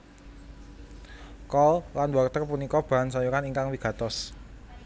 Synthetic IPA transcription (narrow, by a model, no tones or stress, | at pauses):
kɔllanwakt̪ərpunikɔb̥a̤nsajukaniŋkaŋwiɡ̥ä̤t̪ɔs